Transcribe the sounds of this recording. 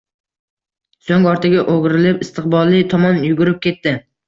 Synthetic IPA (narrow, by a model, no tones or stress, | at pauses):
soŋɒɾt̪ʰɪɡʲaʔoɡɾɪlɪpɪst̪ɨqbɒlˠːɪt̪ʰɒmɒnjʊɡʲʊɾɪp̚kʲʰe̞t̪ːɪ